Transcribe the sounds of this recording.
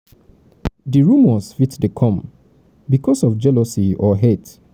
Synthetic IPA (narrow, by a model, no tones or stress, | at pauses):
diɹumɔsfitdekʰɔ̃m | bikʰɔsɔfd͡ʒɛlɔsiɔɦet